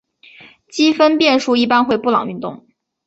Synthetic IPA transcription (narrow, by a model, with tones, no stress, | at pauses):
t͡ɕi˥fə˥npjɛ˥˧nʂu˥˧i˥˩pa˥nxwe˥˧ɪpu˥˩lɑ̰˨˩ŋy˥˧nt̪ʊ̰˥˩ŋ